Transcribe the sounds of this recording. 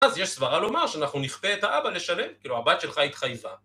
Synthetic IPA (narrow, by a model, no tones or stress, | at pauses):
azjeʃsvaʁalo̞maʁʃeanaχnuniχpeːt̪haʔabale̞ʃale̞mkiːluabajt̪ʃelχait̪χajva